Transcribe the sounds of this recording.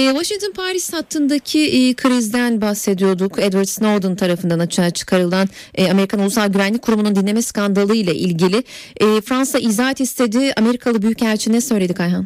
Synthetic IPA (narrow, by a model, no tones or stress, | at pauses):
ɛːvaʃiŋt̪ʰonpʰaɾishat̪ʰːɯnd̪acʰiʔːkʰɯɾizd̪ænbahse̞d̪ijo̞d̪ukɛd̪vaɾd̪snod̪ont̪ʰaɾafɯnd̪anat͡ʃaːt͡ʃʰɯ̥kʰaɾɯlˠan | ɛame̞ɾikʰanulˠusalˠɟyvænlʲic̚ʲkʰuɾumunund̪inʲe̞mɛskand̪alˠɯjlˠaʔilʲɟilʲɪɛːfɾansaʔizaːɛt̪ist̪ʰe̞d̪iame̞ɾikʰalˠɯbyjychæɾt͡ʃʰiɛsø̞jlʲed̪ikʰajɦan